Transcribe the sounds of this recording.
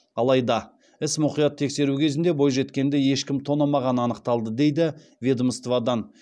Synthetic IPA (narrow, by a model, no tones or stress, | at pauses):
ɑlˠɑjd̪ɑ | ɪsmʊqijɑt̪ʰːe̞kʲse̞ɾukʲʰe̞zɪnd̪e̞bo̞jʒe̞t̪kʲe̞nd̪eje̞ʃkʲɪmt̪ʰo̞nɑmɑʁɑnəɑnəqt̪ɑlˠd̪əd̪e̞jd̪ɪ | vʲed̪məst̪vad̪ɑn